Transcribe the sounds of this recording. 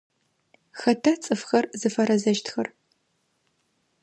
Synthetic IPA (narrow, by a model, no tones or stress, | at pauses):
xɐtʰat͡sʼɨfxɐrzɨfɐɾɐzɐʒtʰxɐr